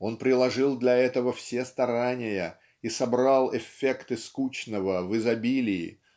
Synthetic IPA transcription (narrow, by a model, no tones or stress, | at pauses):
o̞npɾʲɪlˠɐʐɨlˠd̪lʲɐɛt̪əvəfsʲest̪ɐɾanʲɪjə | isɐbɾalˠɪfʲekt̪ɨskut͡ɕnəvəvɨzɐbʲilʲɪːɪ̰